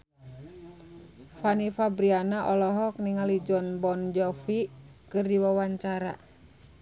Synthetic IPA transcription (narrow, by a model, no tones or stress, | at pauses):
fanifabɾianaʔɔlɔɦɔk̚niŋalid͡ʒɔnbɔnd͡ʒɔfikɨrdiwawaɲt͡ʃaɾa̰